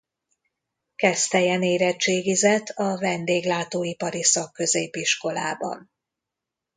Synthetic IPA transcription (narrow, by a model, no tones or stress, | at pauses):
kɛst̪ɛjɛneːɾɛt͡ʃeːɡizɛt̪ʰːɒvɛnd̪eːɡlaːt̪oːipɒɾisɒkːø̞zeːpiʃko̞la̰ːbɒ̰n